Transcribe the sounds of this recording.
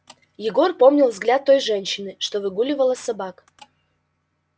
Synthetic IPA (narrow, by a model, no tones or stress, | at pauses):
jɪɡo̞rpo̞mnʲɪlˠvzɡlʲat̪ːo̞jʐɛnʲɕːɪnɨʂt̪o̞vɨɡulʲɪvəlˠəsɐbak